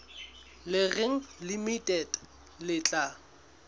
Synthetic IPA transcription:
lɪɣɪŋ̩limitʼɛd | lɪt͡ɬʼa

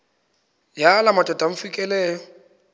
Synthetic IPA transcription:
jalamatʼɔtʼam̩fikʼɛlɛːjɔ

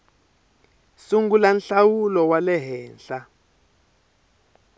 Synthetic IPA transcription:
suŋɡulanɬawulɔwalɛɦɛːnɬa

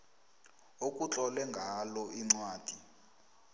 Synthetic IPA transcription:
ok̬ʼut͡ɬʼɔlɛŋɡʱalɔiŋ͡ǀwaːd̥ʱi

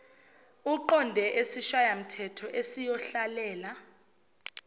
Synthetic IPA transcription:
uǃɔndʱɛʔesiʃajam̩tʰɛtʰɔʔesijɔɬalɛːla

